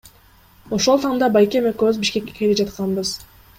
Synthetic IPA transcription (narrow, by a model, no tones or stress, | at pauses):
o̞ʃo̞lˠt̪ʰɑɴd̪ɑbɑjkʲemøkøβyzbiʃke̞kːe̞̥ke̞lid͡ʒɑt̪qɑnbɯz̥